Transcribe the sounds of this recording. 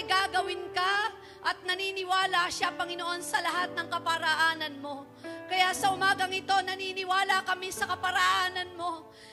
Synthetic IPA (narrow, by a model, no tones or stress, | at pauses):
ɡaɡɐwɪnkɐ | ʔɐt̪̚nɐniːnɪwaːlɐʃapɐŋɪno̞ʔo̞nsɐlɐɦat̪̚nɐŋkɐpɐɾɐʔaːnɐnmo̞ | kɐjasɐʔʊmaːɡɐŋɪt̪o̞nɐninɪwaːlɐkɐmisɐkɐpɐɾɐʔaːnɐnmo̞